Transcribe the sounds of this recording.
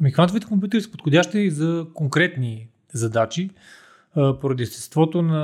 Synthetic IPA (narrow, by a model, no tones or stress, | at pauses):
mixant̪ovit̪ɛ̥kompʲjut̪̬ɛɾisɛ̥po̥t̪xodʲaʃt̪ɛizɐkoŋkɾɛt̪ni | zɐd̪at͡ʃi | poɾɐd̪ist̪ɛ̥st̪vɔt̪onɐ